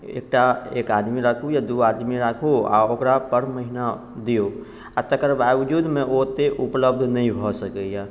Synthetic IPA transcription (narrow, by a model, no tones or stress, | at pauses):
ḛːk̚ʈaḛːkaːd̪miɾakʰojad̪uaːd̪miɾaːkʰoa̰okɾapəɾməɦɪna | d̪io | at̪əkəɾbaːwd͡ʒud̪mẽʔot̪eʔʊpləbd̪ʱnəɦĩbʱɔsəkeja